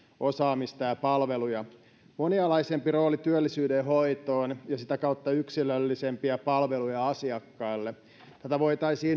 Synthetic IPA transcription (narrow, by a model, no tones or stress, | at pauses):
osɑːmist̪ɑjɑpɑlʋelujɑ | moniɑlɑisempiro̞ːlit̪yølːisyːdeɦoit̪oːnjɑsit̪ækɑut̪ːɑyksilølːisempiæpɑlʋelujɑɑsiɑkːɑːlːe | t̪æt̪æʋoit̪ɑisiːn